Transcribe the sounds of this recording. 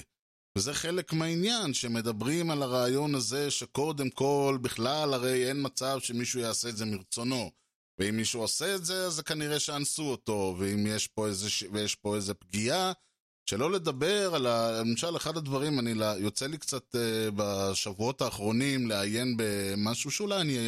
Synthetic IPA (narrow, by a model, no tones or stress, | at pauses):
vezeχe̞le̞kmeainjanʃeme̞d̪abʁimalaʁaːjo̞naze̞ʃe̞ko̞d̪e̞mko̞lbiχlalaʁe̞jenmat͡savʃe̞miʃujaːse̞ːdzemiʁt͡so̞no̞ | veimːiʃuaseːt̪ze̞azekaniʁe̞ʃeansuoto̞veimjeʃpo̞ezeʃvejeʃpo̞eze̞pɡia | ʃe̞lo̞le̞d̪abe̞ʁalaimʃale̞χad̪ad̪vaʁimanilajo̞t͡selikt͡sat̪ebaʃavuo̞t̪aːχʁo̞nimleaje̞nbe̞maʃuʃeulajania